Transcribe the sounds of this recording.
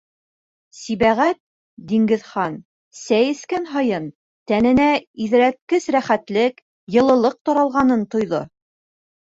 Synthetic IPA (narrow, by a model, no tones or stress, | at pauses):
siβæʁæt̪̚ | d̪iŋɡɘ̆ðχɑn | sæjɘ̆skænɦɑjɤn | t̪ænɘ̆næiðɾæt̪̚kɘsɾæχæt̪lɘk | jɤ̆lˠɤ̆lˠɤq̚t̪ɑɾɑlˠʁɑnɤnt̪ŏjðo̰